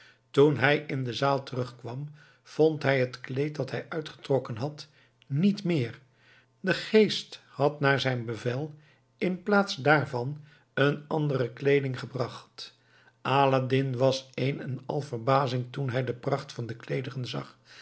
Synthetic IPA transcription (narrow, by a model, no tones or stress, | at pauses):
tunɦɛjɪndəzaːlˠtərɵχkʋɑm | v̥ontɦɛjɦətklejtdɑtɦɛjʔœɥtχə̥trɔkənɦɑt | nitmɪːɹ | dəχejst | hɑtnaːɹzɛjnbəvɛlˠ | ɪnplaːtsdaːɹvɑn | ənɑndərəklejdɪŋχəbrɑχt | ʔaːladɪnʋɑsejnɛnɑ̰lˠvəɹbaːzɪŋtunɦɛjdəprɑχtfɑndəklejdərənzɑ̰χ